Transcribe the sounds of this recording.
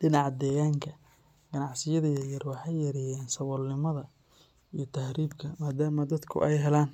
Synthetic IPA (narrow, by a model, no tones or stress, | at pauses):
ɖɪnɑʕɑd̪ɛːɣaːŋkʰɐ | ɡ̥ɐnɑʕsɪjɐðɐjɐjɐrwɑħɑjːɐɾɪjɛːnsɐwɔlnɪmɐðɐ | ijɞt̪ʰɐhɾiːbkʰɐmaːd̪aːmɐd̪ɐd̪kʰʊ̰ʔɛjɦɛlaːn